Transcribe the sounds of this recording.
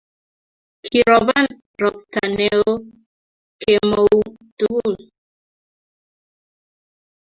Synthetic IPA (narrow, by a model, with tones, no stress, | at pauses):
kʰi˨ɾɔ˨βa˦n | ɾɔ˨p̚ta˨ne˨oo˦ | kʰe˨mo˨u˦tu˦ɡu˦˨l